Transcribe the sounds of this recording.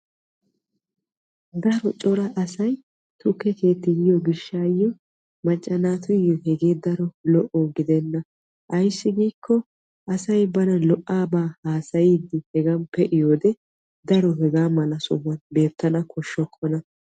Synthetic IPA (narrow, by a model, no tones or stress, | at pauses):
d̪ɐɾɔt͡ʃʼɔɾɐʔɐsɐj | t̪ʊkːɛke̞ːt̪ːɪjɪjɔɡɪʃːaːjɔ | mɐt͡ʃʼːɐnaːt̪ʊjɪjɔhɛɡe̞ːd̪ɐɾɔlɔʔɔɡɪd̪ɛnːɐ | ʔɐjsːɪɡiːkʰːɔ | ʔɐsɐjbɐnɐlɔʔaːbaːhaːsɐjɪd̪ɪhɛɡɐmpɛʔɪjoːd̪ɛ | d̪ɐɾɔhɛɡaːmɐlɐsʊmːɐnbe̞ːt̪ːɐnɐkʰɔʃːɔkʰːɔnɐ